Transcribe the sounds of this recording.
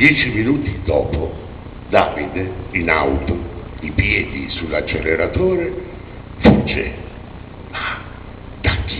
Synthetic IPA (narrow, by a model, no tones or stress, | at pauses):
d̪jɛːt͡ʃiminuːt̪id̪ɔːpʰʊ | d̪aːvid̪ina̰wt̪ʊipjɛːd̪isulat͡ʃːeleɾat̪oːɾe | fut͡ʃːḛ | a | d̪̥akʰː